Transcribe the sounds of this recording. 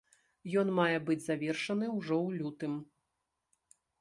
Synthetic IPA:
jɔnmajɛbɨd͡zʲzavʲɛrʂɐnɨwʐɔwlʲut̪ɨm

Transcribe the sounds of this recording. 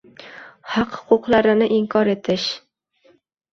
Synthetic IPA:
hɑqhʊ̥qʰʊqlˠaɾɪnɪʔɪŋkʰɒɾet̪ʰɪʃ

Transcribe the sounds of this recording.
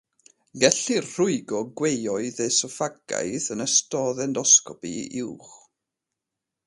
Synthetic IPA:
ɡɛɬirr̥ʊɨɡɔɡwejɔɨðejsɔfaɡ̥a̰jθənəstɔðɛndɔskɔpḭɪwχ

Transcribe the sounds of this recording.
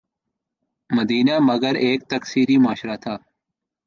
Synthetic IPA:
məd̪iːnaːməɡəɾeːk̚t̪əksiːɾiːmaːʃɾaːt̪ʰaː

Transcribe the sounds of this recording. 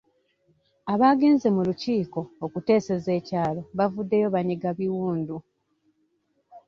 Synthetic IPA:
aβaːɡe̞ːnze̞muluciːko̞ːkute̞ːse̞ze̞ːcaːlo̞βavudːe̞jo̞βaɲiɡaβiwuːndu

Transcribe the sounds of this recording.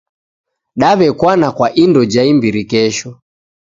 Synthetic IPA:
ɗaβɛkwanakwaʔindɔd͡ʒaimbiɾikɛʃɔ

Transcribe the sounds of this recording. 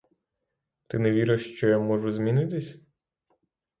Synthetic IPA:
t̪ɪneʋʲiɾɪʃt͡ʃɔjamɔʒʊzʲmʲinɪt̪ɪsʲ

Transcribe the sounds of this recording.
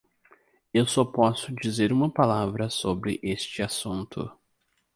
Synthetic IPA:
ewsɔpɔsʊd͡ʒizeɾũmɐpalavɾɐsobɾɪʔest͡ʃɪasũnt̪ʊ̰

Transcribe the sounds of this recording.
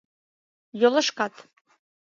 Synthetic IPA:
jolˠɤ̆ʃkɑt̪

